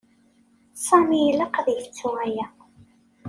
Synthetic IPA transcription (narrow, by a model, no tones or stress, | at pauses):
sˤɑmilɑqðjəft͡sːʊʁæjæ